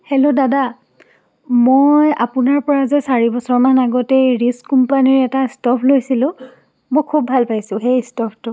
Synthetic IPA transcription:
hɛlodada | moja̰pʊnaɹpɔɹazɛsaɹibɔsɔɹmanaɡɔtɛɹiskumpaniɹɛtastɔpʰlojsilʊ̃ | mojkʰubʱalpajsʊ̃xejstɔpʰtʊ

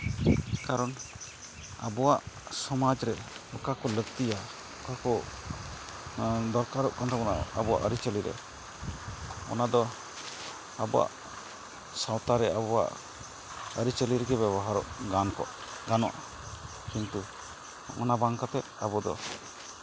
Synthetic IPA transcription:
kaɾɔn | a̰bɔwaʔsɔmad͡ʒɾɛɔkakɔləkt̪ija | ɔkakɔ | d̪ɔɾkaɾɔʔkɔnt̪ʰɔkɔna̰a̰bɔa̰ʔəɾit͡ʃəliɾɛ̰ | ɔ̰nad̪ɔ | abɔwa̰ʔ | sawt̪aɾɛabɔwa̰ʔ | əɾit͡ʃəliɾɛɡɛbɛbɔɦaɾɔʔɡankɔ̰ʔ | ɡanɔ̰ʔa | kint̪u | ɔ̰nabaŋkat̪ɛt̪̚abɔd̪ɔ̰

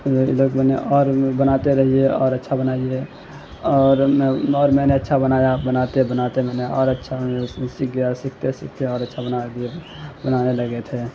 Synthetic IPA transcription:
iləkbəneʔɔːɾbənat̪eɾəɦieɔːɾətːʃʰabənaie | ɔːɾɔːɾmɛneətːʃʰabənajabənat̪ebənat̪emɛneɔ̰ːɾətːʃʰasikasikʰt̪esik̚ʰt̪eɔːɾətːʃʰabənad̪ie | bənaneləɡɛt̪ɦɛ

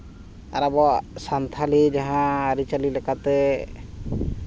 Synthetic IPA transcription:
a̰ɾabɔsant̪ʰalid͡ʒaɦãːɾit͡ʃalilɛkat̪ɛ

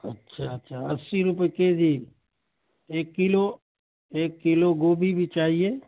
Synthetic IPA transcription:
ɐtːʃʰaɐtːʃʰaɐsːiɾʊpəeked͡ʒiː | eːkːɪlo | eːkːɪloɡoːbʱibʱit͡ʃaːɦieː

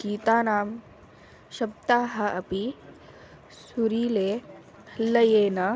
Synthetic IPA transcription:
kiːt̪aːnaːm | ʃɐb̚t̪aːɦɐʔɐpi | suɾiːleː | lɐjeːnɐ

